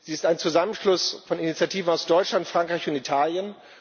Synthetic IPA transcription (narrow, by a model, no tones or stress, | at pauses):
z̥iːɪstaɪnt͡suzamənʃlʊsfɔninit͡sjatʰiːvn̩aʊsd̥ɔʏt͡ʃlantfʁ̥aŋkʁ̥aɪçʊntitʰaːljən